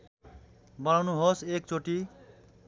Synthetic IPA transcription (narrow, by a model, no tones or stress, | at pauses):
bʌñawnuɦosek̚t͡soʈi